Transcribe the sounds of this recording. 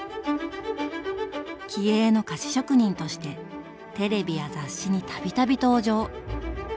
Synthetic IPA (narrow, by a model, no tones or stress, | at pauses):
kʲieːno̞kaɕi̥ɕo̞kɯɲ̟ĩnt̪o̞ɕi̥t̪e̞ | t̪e̞ɾe̞bʲijazaɕːiɲ̟it̪ʰabʲit̪abʲit̪o̞ːʑo̞ː